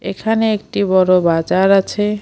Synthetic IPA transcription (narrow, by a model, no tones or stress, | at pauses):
ḛkʰaneek̚ʈibɔɾobad͡ʑaɾat͡ɕʰe